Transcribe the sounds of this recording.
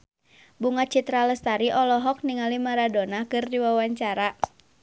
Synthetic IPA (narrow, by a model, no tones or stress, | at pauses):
buŋat͡ʃit̪ɾaləst̪aɾiʔɔlɔɦɔk̚niŋalimaɾadonakɨrdiwawaɲt͡ʃaɾa